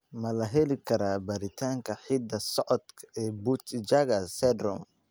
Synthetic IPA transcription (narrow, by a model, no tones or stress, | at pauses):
mɐlɐɦɛlikɐɾaːbɐɾit̪ʰaŋkɐħid̪ɐsɔʔɔt̪kɛbut̪d͡ʒaɡasɛdɾɔm